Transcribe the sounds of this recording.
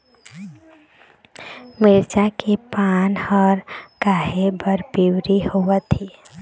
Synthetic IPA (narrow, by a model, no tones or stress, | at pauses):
mɪɾd͡ʒakepaːnhəɾkaːɦebəɾbiwɾihowət̪i